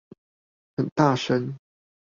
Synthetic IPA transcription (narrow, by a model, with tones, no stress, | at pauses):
xə˨˩nt̪a˥˨ʂə˦n